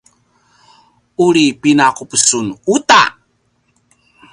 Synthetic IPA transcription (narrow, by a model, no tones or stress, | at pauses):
uɾipinakupəsunut̪a̰